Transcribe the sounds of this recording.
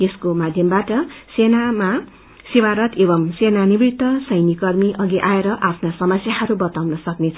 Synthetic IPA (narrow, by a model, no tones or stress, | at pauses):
eskomad̪ʱjʌmbaʈʌsenama | siwaɾʌt̪ebʌmsenanibit̪ʌsʌjnikʌrmiʔʌɡiʔaeɾʌʔapʰnasʌmʌsjaɦʌɾubʌt̪awnʌsʌknet͡sʰʌ